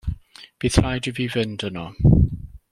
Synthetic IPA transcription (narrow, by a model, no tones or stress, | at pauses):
b̥iθrajdiviːvɪndənɔ